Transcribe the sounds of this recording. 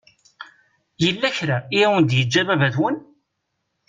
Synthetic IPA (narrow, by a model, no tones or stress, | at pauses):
jəlːæçɾaiæwənd̪jəd͡ʒːævævæðwən